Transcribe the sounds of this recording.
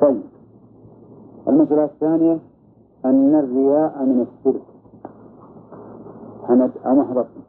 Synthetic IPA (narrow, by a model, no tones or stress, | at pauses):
t̪ˤɑjːɪb | ʔalmasʔalaθːaːnɪja | ʔanːarːɪjaːʔamɪnasːʊɾk | ħamad̪a̰maħɾˤɑt̪ˤː